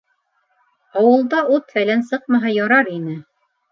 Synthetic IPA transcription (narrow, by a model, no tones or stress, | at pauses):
ɑwɤ̆lˠd̪ɑʔut̪fælænsɤq̚mɑɦɑjɑɾɑɾinɘ